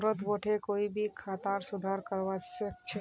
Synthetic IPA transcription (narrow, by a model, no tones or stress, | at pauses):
ɾət̪ʋoʈʰekoːibʱikʰaːt̪aːɾsʊd̪ʱaːɾkəɾʋasək̚t͡ʃʰe